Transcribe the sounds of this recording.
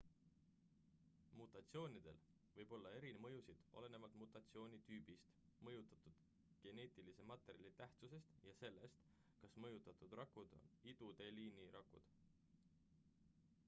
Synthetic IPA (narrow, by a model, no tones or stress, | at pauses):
mut̪ːˑɑt̪sio̞ːnid̪̥e̞̰l | vɤjb̥o̞lːɑe̞ɾinmɤ̞jusid̪̥o̞̰le̞ne̞vɑlt̪mut̪ːˑɑt̪sio̞ːnʲit̪yːbist̪mɤjut̪ˑɑt̪ud̪̥ | ɡ̥e̞ne̞ːt̪ilise̞mɑt̪ːˑe̞ɾʲijɑlit̪æht̪suse̞st̪jɑse̞lːe̞st̪ | kɑsmɤjut̪ːˑɑt̪ud̪rɑkːˑud̪̥o̰nid̪̥ut̪e̞liːniɾʔɑkːṵd̪̥